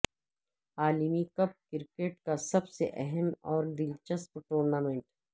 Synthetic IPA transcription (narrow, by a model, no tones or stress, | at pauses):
aːlimikɐp̚kɪɾkeːʈkasɐbseʔɛɦɛmɔːɾd̪ɪlt͡ʃəspʈuːɾnaːmẽːɳʈ